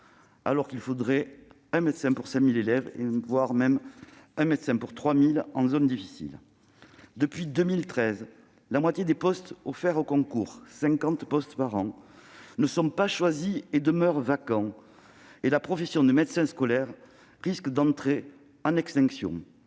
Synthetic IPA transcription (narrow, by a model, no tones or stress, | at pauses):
a̰lɔʁkilfod̪ʁɛ | ɛ̃mɛd̪sɛ̃puʁsɛ̃milelɛvḛvwaʁmɛmɛ̃mɛt̪sɛ̃puʁt̪χwamilɑ̃zɔnd̪ifisḭl | d̪əpɥid̪əmilt̪χɛz | lamwat̪jed̪epɔst̪ɔfɛʁokɔ̃kuʁsɛ̃ŋkɑ̃t̪pɔst̪paʁɑ̃nəsɔ̃paʃwazied̪əmœʁvakɑ̃ | elapχɔfɛsjɔ̃d̪əmɛd̪sɛ̃skɔlɛʁː | iskd̪ɑ̃t̪χe | ɑ̃nɛkst̪ɛ̃ŋksjɔ̰̃